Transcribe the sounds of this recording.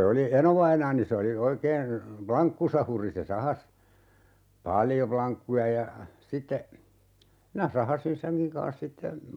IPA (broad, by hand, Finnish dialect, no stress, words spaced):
oli enoʋɑinɑːni se oli oikeːn plɑŋkːusɑhuri se sɑhɑs pɑljo plɑŋkːujɑ jɑ sitːe minæ sɑhɑsin seŋkiŋ kɑ̃ːs sitːe